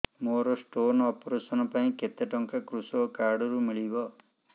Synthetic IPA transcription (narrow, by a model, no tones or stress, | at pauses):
moɾɔsʈonɔpɔɾesɔnɔpaĩket̪eʈɔŋkakɾusɔkaɾɖɔɾumiɭibɔ